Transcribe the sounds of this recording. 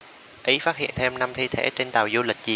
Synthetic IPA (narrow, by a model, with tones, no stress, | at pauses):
ʔi˨˦faː˦˥t̚hḭ˧˨ənt̪ʰe˧mna˧mt̪ʰi˧t̪ʰḛ˧˩t͡ɕe˧nt̪a̰ː˨˩wzu˧lï˨˩k̟̚zi˨˩